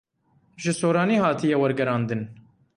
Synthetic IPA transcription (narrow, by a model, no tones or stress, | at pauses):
ʒɨsoːɾɑːniːhɑːt̪ʰijɛwɐɾɡɛɾɑːnd̪ɨn